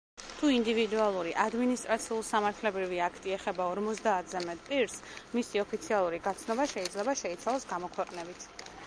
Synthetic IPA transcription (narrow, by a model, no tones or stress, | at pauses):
t̪ʰuind̪ivid̪ualˠuɾiʔad̪minist̪ʼɾat̪sʰiulˠsamaɾt̪ʰlɛbɾiviakʰt̪ʼiɛχɛbaɔɾmɔt̪sʼd̪aːt̪ʰzɛmɛt̪ʼpʼiɾsmisiɔpʰit̪sʰialˠuɾiɡat̪sʰnɔbaʃɛid̪zlɛbaʃɛit̪sʰalˠɔsɡamɔkʰwɛqʼnɛbit̪ʰ